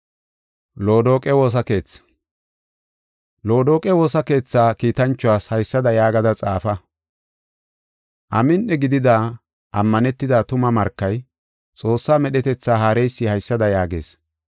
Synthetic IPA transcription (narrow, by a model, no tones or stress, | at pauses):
loːd̪o̞ːkʼɛwo̞ːs̬ɐke̞ːt͡sː | lo̞ːd̪oːkʼɛwo̞ːsɐke̞ːt͡sːaːkiːt̪ɐnt͡ʃːʊwaːshɐjsːɐd̪ɐjaːɡɐd̪ɐt͡sʼaːfɐ | ʔɐmɪnʔɛɡɪd̪ɪd̪aː | ʔɐmːɐnɛt̪ːɪd̪aːt̪ʊmɐmɐɾkːɐj | t͡sʼo̞ːsːaːmɛɗɛt̪ɛt͡sːaːɦaːɾɛjsːɪhɐjsːɐd̪ɐjaːɡe̞̰ːs